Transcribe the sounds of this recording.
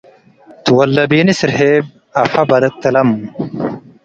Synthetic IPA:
t̪uwɐlːɐbiːnisiɾɦeːb̚ | ɐfɐbɐd̪ɐt̪ːɐlɐm

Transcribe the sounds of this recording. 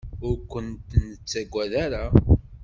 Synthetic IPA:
ʊɾkʷənt̪nt͡sːæɡʷːæðaɾa

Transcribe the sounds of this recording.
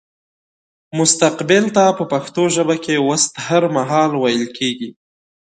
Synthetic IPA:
mʊst̪aqbɪlt̪apəpaxt̪oʒəbakewəst̪haɾmaɦɑlwajəlkʰeɡi

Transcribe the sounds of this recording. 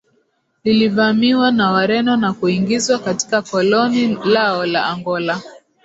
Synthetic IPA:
lilivamiwanawaɾɛnɔnakuiŋɡizwakati̥kakɔlɔnilaɔlaːŋɡɔla

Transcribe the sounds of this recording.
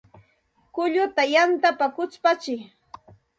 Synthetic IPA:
kʊʎʊt̪ajant̪apakʊt͡spat͡ʃɪ

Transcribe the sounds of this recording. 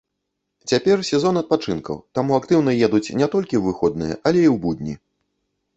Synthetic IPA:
t͡sʲapʲɛrsʲɛzɔnɐt̪̚pat͡ʂɨnkɐ̰wt̪amuakt̪ɨwnɐjɛd̪ut͡sʲnʲɛt̪ɔlʲkʲiwvɨxɔd̪̚nɨjɛ̰ʔɐlʲɛiwbud̪ʲnʲḭ

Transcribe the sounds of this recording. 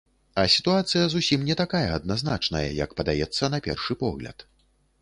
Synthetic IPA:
ɐsʲi̥t̪uat̪sɨjɐzusʲimnʲɛt̪akajɐɐd̪naznat͡ʂnɐ̰jɐ̰jɐ̰kpɐd̪ajɛt̪sːɐnɐpʲɛ̰rʂɨpɔɣlʲɐ̰t̪

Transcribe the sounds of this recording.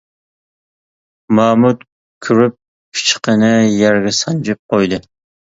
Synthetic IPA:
mɑmut̪ | kʲʰyɾyp̚ | pʰi̥t͡ʃʰqənɨjæɾɡʲɛsɑnd͡ʒɪp̚qʰojd̪ɨ

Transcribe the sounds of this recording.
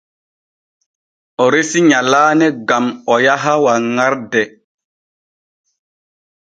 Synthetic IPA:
ɔɾesiɲalaːnɛɡamɔjaɦawaŋaɾdɛ

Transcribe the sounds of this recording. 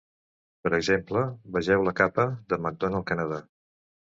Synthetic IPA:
pəɾəɡzempləbəʒɛwləkapəðəməɡ̚d̪onəlˠkənəða

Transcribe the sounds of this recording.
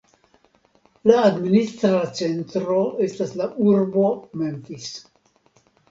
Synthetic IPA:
laːd̪minist̪ɾat͡se̞nt̪ɾoe̞st̪aslaʔuɾbo̞memtis

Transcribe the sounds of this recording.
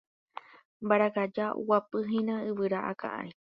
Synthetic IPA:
mbaɾakad͡ʒaṵwapɨɦĩnãɨβɨɾaʔa̰kã̰ʔã̰ĩ

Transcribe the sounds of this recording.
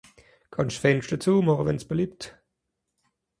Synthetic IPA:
kʰɑnʃfɛnʃd̥ət͡suːmɔʁəvɛnsb̥əliːpt

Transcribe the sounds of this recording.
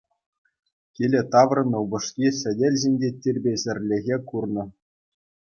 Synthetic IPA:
kʲilʲĕt̪ɑʋrɤ̆nɤ̆ubɤ̆ʂkʲisʲɘ̆dʲelʲzʲenʲdʲetʲirʲbʲeʑʲɘ̆rʲlʲɘ̆ɣʲekurnɤ̆

